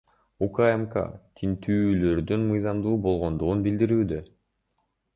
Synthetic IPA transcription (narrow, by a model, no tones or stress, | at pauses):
ukajemka̰t̪ʲʰint̪ʰyːlø̞ɾd̪ynmɯjzɑmd̪uːbo̞lˠʁo̞nd̪uʁunbild̪iɾyːd̪ø